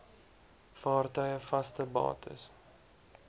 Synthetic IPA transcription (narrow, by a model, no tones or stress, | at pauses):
fɑːrtœɥjəfɐstəbɑ̰ːtʰə̰s